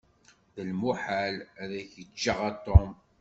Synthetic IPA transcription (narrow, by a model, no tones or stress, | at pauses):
ðəlmuħalæðæçət͡ʃːəʁɑt̪ˤːom